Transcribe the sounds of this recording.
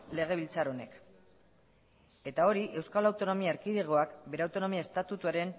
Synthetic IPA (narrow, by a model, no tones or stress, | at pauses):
le̞ɣ̞e̞β̞ilt͡saɾo̞ne̞̰k | e̞t̪ao̞ɾiʔe̞wskalawt̪o̞no̞miaeɾkiðiɣ̞o̞akbe̞ɾeawt̪o̞no̞miaest̪at̪ut̪uaɾe̞n